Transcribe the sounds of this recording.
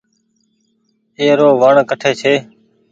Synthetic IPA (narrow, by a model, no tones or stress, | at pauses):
eːɾoːʋaːɳkəʈʰeːt͡ʃʰeː